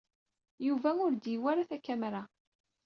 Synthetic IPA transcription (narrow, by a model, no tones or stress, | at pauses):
juvæʊɾd̪iwæɾaθækːæmɾa